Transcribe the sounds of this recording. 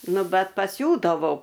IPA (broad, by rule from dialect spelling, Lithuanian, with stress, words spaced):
ˈnʊ ˈbʲɛt pɐˈsʲuːdɐʋɐʊ